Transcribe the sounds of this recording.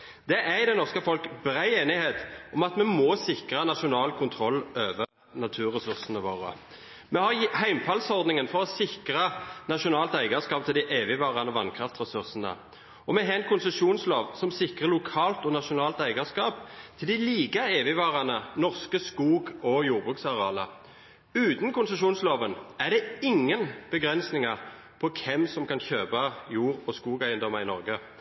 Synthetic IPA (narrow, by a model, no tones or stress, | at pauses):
d̪̥ɛʔæʁd̪ɛnɔʁskəfɔlkbɾæɪeːnɪheːt̪ɔmɑt̪mɛmɔsɪkʁənɑʃʊnɑːlkʰʊnt̪ʰɾɔlːøːʋəʁ | nɑt̪ʰʉːʁɛsʉʁsənəʋoːʁə̰ | mɛhɑʁhæɪmfʰɑlsɔʁd̪nɪŋənfɔʁɔsɪkʁənɑʃʊnɑːlt̪æɪɡɑskɑːp̚t̪ʰɪld̪ɪʔeːʋɪʋɑːʁɑnɔʋɑnkʰʁɑft̪ɾɛsʉʁsənə̰ | ɔmɛɦɛnkʰʊnsəʂuːnsloːʋsɔmsɪkʁəʁlʊkʰɑːlt̪ɔnɑʃʊnɑːlt̪æɪɡɑskɑːp̚t̪ʰɪld̪ɪliːɡəeːʋɪʋɑːʁɑnənɔʁskəskuːɡɔjuːʁbʁʉːksɑʁɛɑːlə̰ | ʉːt̪nkʊnsəʃuːnsloːʋənæʁd̪ɛɪŋːənb̥əɡɾɛnsnɪŋɑʁ | pʰɔkʰɛmsɔmkɑnçøːpɑjuːʁɔskuːɡæɪənd̪ɔmːɑɪnɔʁɡə